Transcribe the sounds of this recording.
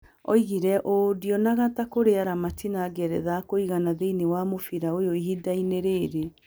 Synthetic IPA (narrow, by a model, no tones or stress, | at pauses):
ɔ̰iɣiɾɛʔodiɔnaɣatakoɾeaɾamatinaɡɛɾɛ̰ðakoiɣanaðeinewamofiɾaojoiɦidaineɾeːɾe